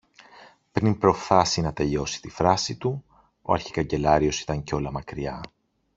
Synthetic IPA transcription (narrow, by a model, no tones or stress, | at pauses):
pɾinpɾo̞fθɐsinɐt̪e̞ʎo̞si̥t̪ifɾɐsit̪u | o̞̰ɐ̰ɾçi̥kɐɲɟe̞lɐɾio̞si̥t̪ɐɲceo̞lɐmɐkɾiɐ